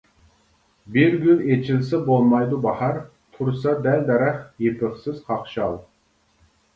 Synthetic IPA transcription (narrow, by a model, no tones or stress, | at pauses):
bɪɾɡʲylet͡ʃʰɪlsɛbolˠmɑjd̪ubɑhɑɾ | t̪ʰuɾsɑd̪æld̪ɛɾɛχjepʰɪχsɪz̥qʰɑχʃɑlˠ